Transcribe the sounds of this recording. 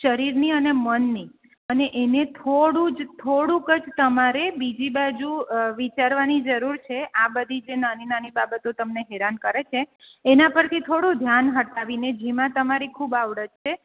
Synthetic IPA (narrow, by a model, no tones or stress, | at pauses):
ʃəɾiɾniənemənːi | əneʔenet̪ʰoɽũd͡ʒt̪ʰoɽũkəd͡ʒt̪əmaɾebid͡ʒibad͡ʒuʋit͡ʃaɾʋanid͡ʒəɾuɾt͡ʃʰeʔabəd̪ʱid͡ʒenaninanibabət̪ot̪əmneɦeɾankəɾet͡ʃʰeːnapəɾt̪ʰit̪ʰoɽũd̪ʱjanɦəʈaʋined͡ʒemãt̪əmaɾikʰubaʋɽəd͡ʒt͡ʃʰe